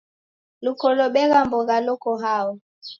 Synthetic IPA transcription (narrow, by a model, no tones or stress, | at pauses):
lukɔlɔɓɛɣambɔɣalɔkɔɦaɔ